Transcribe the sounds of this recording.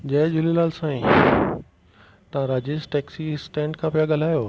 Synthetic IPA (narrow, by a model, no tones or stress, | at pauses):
d͡ʑɐ̃ɦd͡ʑʊlilaːlsãːĩ | t̪ɐãɾaːd͡ʑɪzʈɛːksisʈẽːɳɖkʰãːpijaɠɐl̤aːjoː